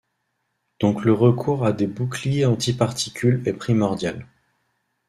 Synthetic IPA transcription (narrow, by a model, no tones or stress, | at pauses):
d̪̥ɔ̃kləʁəkʰuʁad̪ebuklijeɑ̃t̪ipaʁt̪ikʲylɛpχimɔʁd̪jal